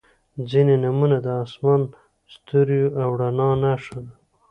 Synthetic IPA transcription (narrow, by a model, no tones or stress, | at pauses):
d͡zinenamunad̪əɑsmɑn | st̪uɾjuawɽanɑnaʂad̪a